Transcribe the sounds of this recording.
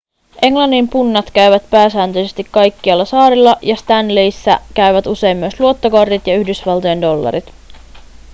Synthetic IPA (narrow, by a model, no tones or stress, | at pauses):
ʔe̞ŋlɑnːimpunːɑt̪k̟æɥʋæt̪pæːsæːnt̪øjsest̪ikːɑjkːiɑlːɑsɑːɾilːɑjɑst̪ænlejsːæ̰kæɥʋæt̪use̞jmːyøsluo̞t̪ːokɑrd̪it̪jɑyhdysʋɑlt̪ojendo̞lːɑ̰ɾit̪